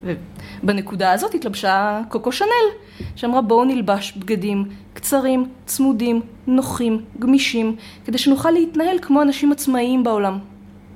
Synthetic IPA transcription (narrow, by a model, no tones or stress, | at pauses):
vebanekudaːzo̞titlabʃakokoʃane̞l | ʃeamʁabo̞wnilbaʃbɡadimkt͡saʁimt͡smudim | no̞χimɡmiʃim | ke̞dejʃenuχalːehitnaɦe̞lkmo̞anaʃimat͡smaimbaolam